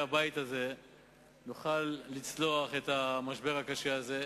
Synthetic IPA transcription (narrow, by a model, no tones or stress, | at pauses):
abajit̪aze̞ | nuχalːit͡slo̞aχe̞t̪amaʃbe̞ʁakaʃeaze̞